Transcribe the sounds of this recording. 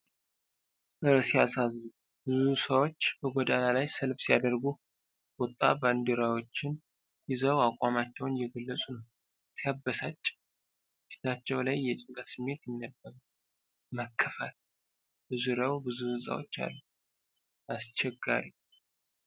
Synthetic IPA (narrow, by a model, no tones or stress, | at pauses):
ɨɾsijasazːɨ | bɨzusəwo̞t͡ʃːbəɡʷɔd̪analajsəlfsijad̪əɾɡu | wɔt̪ʼːa̰band̪uɾawo̞t͡ʃːɪn | jizəwakʼamat͡ʃːɛwnjɛɡəlːəsʼunəw | sijabːəsat͡ʃʼː | i̥t̪ʰat͡ʃːɛwlajːɛt͡ʃʼɪŋkʼət̪sɨmːe̞t̪jɪnːəbːəɾ | məkʰːəfal | bɨzuɾawbɨzuhɨnsʼa̰wo̞̰t͡ʃːa̰lːu | ʔast͡ʃɛɡːa̰ɾi